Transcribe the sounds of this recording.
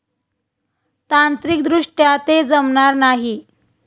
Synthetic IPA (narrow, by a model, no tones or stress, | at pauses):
t̪ant̪ɾik̚d̪ɾuʂʈjat̪ed͡zəmɳaɾnaɦi